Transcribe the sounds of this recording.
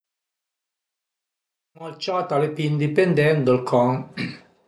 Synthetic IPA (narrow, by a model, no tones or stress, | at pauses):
məlt͡ʃat̪alepind̪ipend̪ɛnd̪əlkʰɔŋ